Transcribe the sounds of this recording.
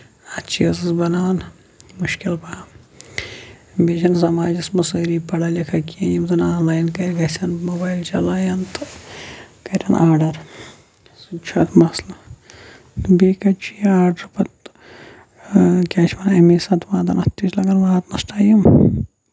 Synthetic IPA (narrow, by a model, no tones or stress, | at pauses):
ɐtt͡ʃʰiɐzɐzbɐnaːwn | muʃkilpɐm | bet͡ʃʰɐnsɐmaːd͡ʒismɐsɐːɾiːpɐɽɐlʲɐkʰɐkʲiɐjimzɐnaːnlaːjnkɐjɡɐsʲɐnmoːbaːjlt͡ʃɐlaːjɐnt̪ | kɐɾʲɐnʔaːɾɖɐɾ | sut͡ʃʰɐt̪ʰmɐslɐ | beːkɐt͡ʃʰiaːɖɐɾpɐt̪ | kʲaːt͡ʃʰmɐnɐmisɐt̪ʋaːd̪ɐ̰nɐt̪ʲːit͡ʃlɐɡɐnʋaːt̪nɐsʈʰaːjim